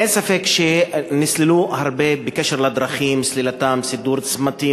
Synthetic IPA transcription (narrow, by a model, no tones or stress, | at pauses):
ensafekʃenisliluhaʁbebekeʃeʁlad̪ʁaχimslilat̪amsid̪uɾt͡smat̪i